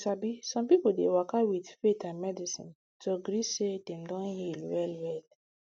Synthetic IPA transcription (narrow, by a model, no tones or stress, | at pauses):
sabisɔ̃mpipuldḛwakawidfetãnmɛdisḭ̃n | toaɡɾisedɛ̃mdɔ̃nhilwɛlwɛl